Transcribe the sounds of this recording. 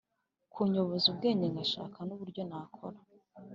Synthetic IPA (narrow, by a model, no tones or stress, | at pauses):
kʰuɲo̞βo̞zub̚ɡe̞ːɲeŋɡaʃa̰ːkanuβuɾɟo̞nakʰoɾḁ